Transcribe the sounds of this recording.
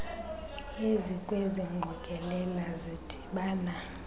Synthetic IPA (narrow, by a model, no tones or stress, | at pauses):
ezikʼweziŋ͡ǃʱɔkʼɛlɛlazid̥ʼʱi̥ɓaːna